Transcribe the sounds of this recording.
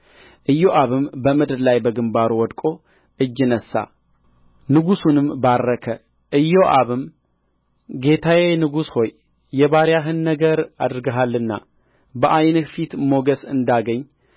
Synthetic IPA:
ʔɨjːoʔaβɨmbəmɨd̪ɾlajbəɡɨmbaɾuwɔd̪kʼo̞ | ʔɨd͡ʒːɪnəsːa̰ | nɨɡusunɨmbarːəkʰə | ʔɨjːoʔaβɨm | ɡe̞t̪ʰawenɨɡusho̞jː | ɛβaɾjaɦɨnːəɡəɾa̰d̪ɾɨɡəɦalːɨnːa̰ | bəʔajnfit̪mo̞ɡəsɨnd̪aɡəɲː

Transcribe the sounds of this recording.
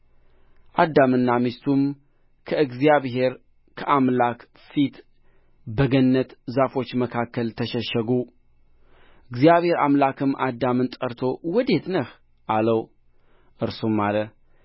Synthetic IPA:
ʔad̪amɨnːamist̪ʰum | kʰəɨɡzijaβɦe̞ɾ | kʰəʔamlak | fit̪ | bəɡənːət̪zafo̞t͡ʃːməkʰakːəlt̪ʰəʃəʃəɡu | ɨɡzijaβhe̞ɾa̰mlakʰɨmʔad̪ːamɨnt̪ʼəɾt̪ʰo̞wɔd̪e̞t̪nəh | ʔaləw | ʔɨɾsumːalə

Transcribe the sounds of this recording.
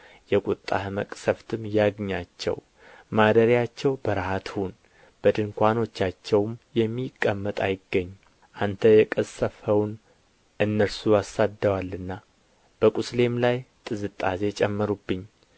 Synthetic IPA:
jɛkʼut̪ʼːa̰hɨməkʼsəft̪ʰɨmjaɡɲat͡ʃːɛ̰w | mad̪əɾjat͡ʃːɛwbəɾhat̪ʰhun | b̥əd̪ɨŋkʷʰano̞t͡ʃːat͡ʃːɛwmjɛmːikʼːəmːət̪ʼajɪɡːəɲː | ʔant̪ʰəjɛkʼəsːəfəwn | ʔɨnːəɾsuasad̪ːəwalːɨnːa | b̥əkʼusle̞mlajt̪ʼɨzɨt̪ʼːaze̞t͡ʃʼɛmːəɾubːɨɲː

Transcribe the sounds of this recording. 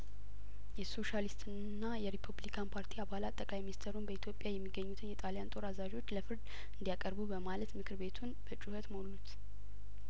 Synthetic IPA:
jɛso̞ʃalist̪ʰʼɨnnːajɛɾipʰuβlikʰanpʰaɾt̪ʰiaβalat̪ʼːəkʼlajminist̪ʰəɾunbəit̪ʰjo̞pʼjajɛmːiɡːəɲːut̪ʰɨnjɛt̪ʼaljant̪ʼo̞ɾazaʒo̞t͡ʃːləfɨɾd̪ | ɨnd̪ijakʼəɾbubəmalət̪mɨkʰɨɾbe̞t̪ʰunb̥ət͡ʃʼuhət̪molːut̪

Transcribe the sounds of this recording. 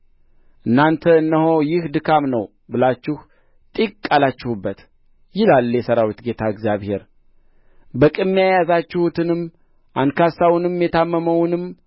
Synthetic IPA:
ʔɨnːant̪ʰəɨnːəho̞jɪhd̪ɨkʰamnəw | bɨlat͡ʃːɪh | t̪ʼikkʼːalat͡ʃːɪhubːət̪ | jɪlaljɛsəɾawit̪ɡe̞t̪ʰaɨɡzjaβhe̞ɾ | bəkʼɨmːijajazat͡ʃːɪhut̪ʰɨnɨm | ʔankʰasawnɨmjɛt̪ʰamːəməwnɨm

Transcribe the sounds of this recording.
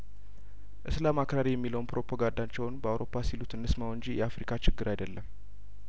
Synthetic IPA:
ʔɨslamakɾaɾijɛmːiləwnpɾo̞pʰaɡand̪at͡ʃːɛwnbəawɾo̞pʰːasilut̪ɨnːɨsmawɨɲd͡ʒijɛafɾikʰat͡ʃɪɡːɨɾajdəlːəm

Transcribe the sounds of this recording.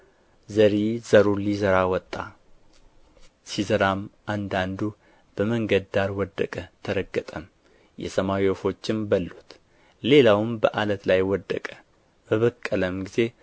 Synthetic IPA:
zəɾizəɾulizəɾawɔt̪ʼːa | sizəɾamʔand̪and̪u | b̥əməŋɡəd̪d̪aɾwɔd̪ːəkʼət̪ʰəɾəɡːət̪ʼəm | jɛ̰səmawiofo̞t͡ʃːɪmbəlːut̪ | le̞lawɨmbəʔalət̪lajwɔd̪ːə̰kʼə̥ | b̥əβəkʼːələmɡize̞

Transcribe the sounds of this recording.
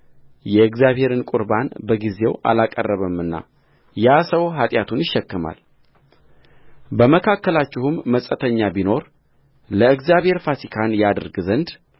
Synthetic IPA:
jɛɨɡzjaβhe̞ɾɨnkʼuɾbanbəɡize̞wʔa̰lakʼə̰rːəβəmɨnːa̰ | jasəwɦat̪ʼjat̪ʰunjɪʃːɛkːɨma̰l | bəməkʰakːəlat͡ʃːɪhumːəsʼət̪ʰəɲːabino̞ɾ | ləɨɡzjaβhe̞ɾfat̪ikʰanjad̪əɾɡɨzənd̪

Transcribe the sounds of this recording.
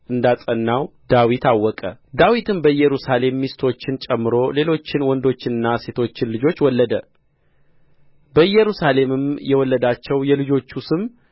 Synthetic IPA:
ʔɨnd̪asʼənːawd̪awit̪awːɔkʼəd̪awit̪ʰɨmbəɨjɛɾusale̞mːist̪ʰo̞t͡ʃːɪnt͡ʃʼɛmːɨɾo̞le̞lo̞t͡ʃːɪnwɔnd̪o̞t͡ʃːɪnɨnːase̞t̪ʰo̞t͡ʃːɪnlɨd͡ʒo̞t͡ʃːwɔlːəd̪ə | bəɨjɛɾusale̞mɨmjɛwɔlːəd̪at͡ʃːɛwjɛlɨd͡ʒo̞t͡ʃːusɨm

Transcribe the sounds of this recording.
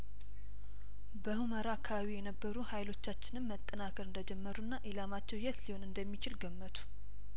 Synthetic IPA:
bəhuməɾakʰaawijɛnəbːəɾuhajlo̞t͡ʃːat͡ʃːɪnɨmːət̪ʼːənakʰəɾɨnd̪əd͡ʒɛmːəɾunːaʔilamat͡ʃːɛwjɛt̪liho̞nɨnd̪əmːit͡ʃɪlɡəmːət̪ʰu̥

